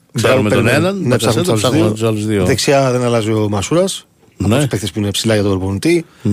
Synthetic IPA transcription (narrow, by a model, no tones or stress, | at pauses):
ɾɐmpenenɐnnepsɐxmesaluszðiot̪usɐluzðioðeksiɐðenɐlɐziomɐsuɾɐs | ɐpospekt̪espuinepsilɐʝɐt̪ooɾbonit̪i